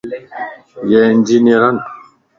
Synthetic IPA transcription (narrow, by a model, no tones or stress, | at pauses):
jɛnd͡ʒiniɾan